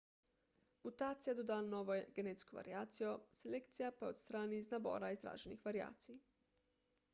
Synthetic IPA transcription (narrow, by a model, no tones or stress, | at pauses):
mut̪aːt̪sijad̪ɔd̪aːnnɔːʋɔɡeneːt̪skɔʋa̰ɾjaːt̪sijɔselekt̪sijapaot̪st̪ɾaːniznabɔ̰ːɾaizd̪ɾa̰ːʒɛnixʋaɾja̰ːt̪si